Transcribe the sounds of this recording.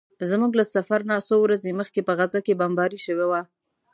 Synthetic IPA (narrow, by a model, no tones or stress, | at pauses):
zmuɡlasafaɾnasowɾazeməxkepəɣazakebambɑɾiʃəwewa